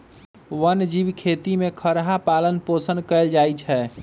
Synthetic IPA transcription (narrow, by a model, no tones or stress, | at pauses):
wənd͡ʒibkʰet̪imekʰəɾɦapalənposənkəɪld͡ʒajt͡ʃʰɛ